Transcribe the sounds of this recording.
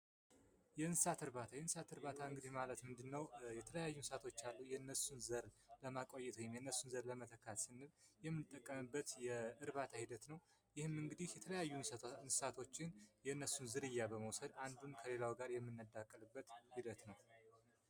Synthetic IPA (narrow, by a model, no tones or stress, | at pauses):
jɛɨnsat̪ʰɨɾβat̪ʰajɛnsat̪ɨɾbat̪ʰaɨŋɡɨd̪ihmalət̪mɨnd̪ɨnːəwjɛt̪ʰələjajːunsat̪ʰo̞t͡ʃːalːujɛɨnːəsunzəɾləmakʼo̞jːɛt̪ʰəwɪmjɛɨnːəsːunzəɾləmət̪ʰəkʰːat̪sɨnːɨljɛmːɨnɨt̪ʼːəkʼːəmɨbːət̪jɛɨɾβat̪ʰahid̪ət̪nəw | jɪhɨmɨŋɡɨd̪ihjɛt̪ʰələjajːunsat̪ʰo̞t͡ʃːɪnjɛɨnːəsːunzɨɾɨjːabəməwsəd̪and̪unkʰəle̞lawɡaɾjɛmːɨnːəd̪akʼːəlɨbːət̪hid̪ət̪nəw